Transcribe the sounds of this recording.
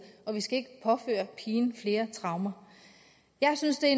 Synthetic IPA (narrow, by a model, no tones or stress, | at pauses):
ɒ̽ʋisɡ̥æe̝ɡ̥əpʰɒ̽fø̰ːɐpʰiːn̩fle̝ːɐt͡sʰʁɑ̈ʊmɐ | jɑ̈ɪsynsd̥e̝æ